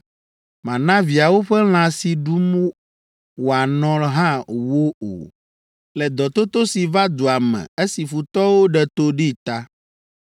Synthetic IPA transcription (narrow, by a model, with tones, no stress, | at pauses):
mã˨nã˦vi˨a˨wo˦ɸɛ˦l̃ã˨si˨ɖu˦m | wo˨a˨nɔ̃˦lɦã˦wo˦o̰˨ | lɛ˨d̪ɔ˨t̪o˦t̪o˦si˨va˦d̪o˨a˨mɛ̰̃˨e˦si˨fu˨t̪ɔ˦wo˦ɖɛ˨t̪o˦ɖi˦t̪a˦